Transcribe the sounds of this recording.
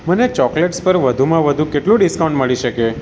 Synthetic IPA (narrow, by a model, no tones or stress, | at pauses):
mənet͡ʃɔkleʈspəɾʋəd̪ʱumãʋəd̪ʱũkeʈlũɖiskawũɳɖməɭiʃəke